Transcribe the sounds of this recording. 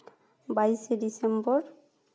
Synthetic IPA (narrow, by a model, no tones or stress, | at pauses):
bajsedisembɔɹ